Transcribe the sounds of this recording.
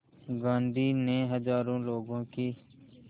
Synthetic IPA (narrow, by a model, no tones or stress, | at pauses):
ɡãːnd̪ʱiːneɦəzaːɾõːloːɡõːkiː